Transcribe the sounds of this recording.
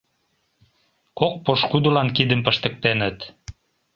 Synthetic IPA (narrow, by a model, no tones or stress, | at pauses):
kok̚poʃkud̪ulɑnkid̪əmpə̆ʃt̪ə̆k̚t̪enət̪